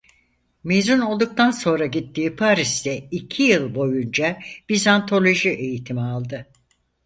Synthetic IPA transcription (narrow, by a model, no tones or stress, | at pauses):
meːzuno̞lˠd̪uk̚t̪ʰanso̞nɾaɟit̪ːiːpʰaɾisd̪ɛicʰijɯlˠbo̞jund͡ʒab̥izant̪ʰo̞lʲo̞ʒiʔe̞jit̪ʰimialˠd̪ɯ